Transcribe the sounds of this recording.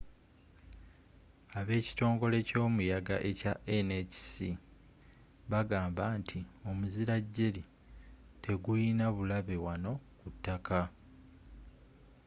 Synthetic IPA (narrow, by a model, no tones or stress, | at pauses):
aβe̞ːci̥to̞ːŋɡo̞le̞co̞ːmujaɡaʔe̞caʔeneci̥si | βaɡaːmbaːntʰio̞muziɾaɟːe̞li | tʰe̞ɡujinaβulaβewano̞kutːakʰa